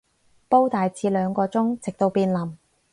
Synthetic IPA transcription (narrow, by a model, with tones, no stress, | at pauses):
po˥wt̪aː˨jt͡siː˨˥lœː˨˧ŋkɔː˧t͡sʊ˥ŋt͡sɪ˨k̚t̪o˧wpiː˧nlɐ˨˩m